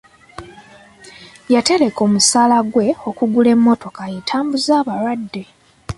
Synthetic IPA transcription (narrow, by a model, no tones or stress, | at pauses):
jate̞ɾe̞ko̞ːmusaːlaɡwe̞o̞kuɡule̞mːo̞to̞kajetʰaːmbuzaːβaɾwadːe̞